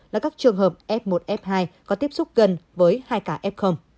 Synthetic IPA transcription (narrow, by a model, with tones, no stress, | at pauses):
laː˨˩kaː˦˥k̚t͡ɕɨ˨˩əŋɦəː˨˩p̚ʔɛ˦˥p̚mo˨˩t̚ʔɛ˦˥p̚ɦaː˧jkɔ˨˦t̪i˦˥əp̚sʊ˦˥k͡p̚ɣə˨˩nvəː˨˦jhaː˧jkaː˧˩ʔɛ˦˥p̚xə˧wŋ͡m